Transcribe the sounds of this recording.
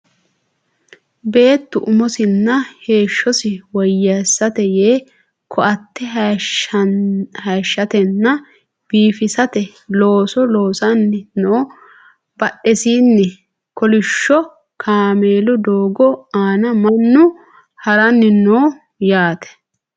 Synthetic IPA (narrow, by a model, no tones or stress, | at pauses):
be̞ːt̪ːʊʔʊmɔsɪnːɐhe̞ːʃːɔsɪwɔjːɐsːɐt̪ɛjeː | kʰɔʔɐt̪ːɛ | hɐːʃːɐt̪ɛnːɐ | b̥iːfɪsɐt̪ɛ | loːsɔloːsɐnːɪnoː | bɐɗːɛsiːnːɛ | kɔlɪʃːɔ | kʰaːmeːlʊd̪oːɡɔaːnɐmɐnːʊ | hɐɾɐnːɪnoː | jaːt̪ɛ̥